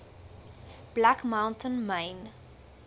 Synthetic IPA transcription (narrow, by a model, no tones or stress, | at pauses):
b̥lækmãwntʰənmɛjn